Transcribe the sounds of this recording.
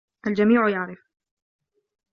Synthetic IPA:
ʔald͡ʒamiːʕjaʕɾɪf

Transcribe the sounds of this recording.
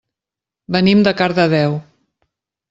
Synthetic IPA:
bənimd̪əkaɾðəðɛw

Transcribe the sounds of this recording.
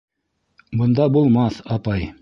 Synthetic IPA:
bŏnd̪ɑbulˠmɑθɑpɑj

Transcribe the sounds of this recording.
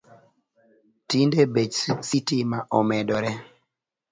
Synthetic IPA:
tindebed͡ʒsitimaʔɔmɛdɔɾɛ

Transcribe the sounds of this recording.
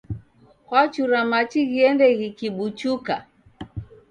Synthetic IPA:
kwat͡ʃuɾamat͡ʃiɣiɛndɛɣikiɓut͡ʃuka

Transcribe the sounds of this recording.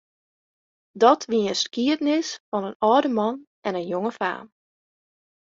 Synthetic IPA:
dɔtʰʋiəəskiətnɪsfɔnənɔːdəmɑn | ʔɛnənjoŋəfa̰ːm

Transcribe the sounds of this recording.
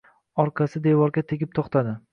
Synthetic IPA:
ɒɾqʰɑsɪd̪evɒɾɡʲat̪ʰeɡʲɪp̚t̪ʰoχt̪ʰad̪ɪ

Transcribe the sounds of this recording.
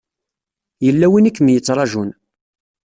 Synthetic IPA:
jəlːæwinikːmjət͡sːɾˤɑʒun

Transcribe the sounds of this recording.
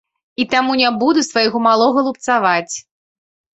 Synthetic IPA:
it̪amunʲabud̪usvajɣɔmalˠɔɣɐlˠup̚t̪savat͡sʲ

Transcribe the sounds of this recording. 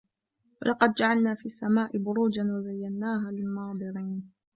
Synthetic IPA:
wa̰lʔɑqɑd̪̚d͡ʒaʕalnaːfiːasːamaːʔɪbʊɾuːd͡ʒanwazajːanːaːɦaːlɪlmɑːd̪ˤɨɾiːn

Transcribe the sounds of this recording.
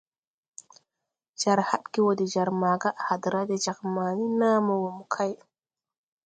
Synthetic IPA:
d͡ʒaɾhaɗɡiwodid͡ʒaɾmaɡaʔhad̪ɾadɛd͡ʒakmaːninaːmawomukʰaj

